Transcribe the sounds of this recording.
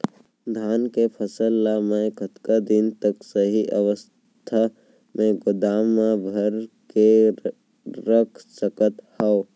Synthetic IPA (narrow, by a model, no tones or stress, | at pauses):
d̪ʱaːnkepʰəsəlːamẽkət̪kad̪ɪnt̪əksəɦiʔəʋəs | t̪ʰa | mẽɡʊd̪aːmabʱəɾke | ɾəkʰsəkət̪hao